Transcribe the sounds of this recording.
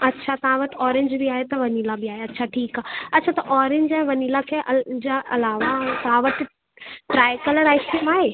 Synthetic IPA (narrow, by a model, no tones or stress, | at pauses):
ɐtːʃʰat̪ɐɦãʋɐʈɔːɾẽɲd͡ʒbʱiaːɦet̪ɐʋɐniːlabiaːɦeɐtːʃʰaʈʰiːkaːɐtːʰat̪ɐʔɔːɾẽɲd͡ʒaːɦẽʋɐniːlakʰeʔd͡ʑaʔɐlaːʋat̪ɐɦãʋɐʈ | ʈɾaːjkɐləɾaːɪsʈiːmaːɦeː